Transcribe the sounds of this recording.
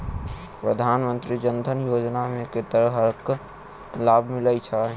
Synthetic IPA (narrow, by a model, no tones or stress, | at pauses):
pɾəd̪ʱaːnmənt̪ɾid͡ʒənd̪ʱənjoːd͡ʒnamẽket̪əɾəɦəɾk | laːbʱmɪləit͡ʃʰa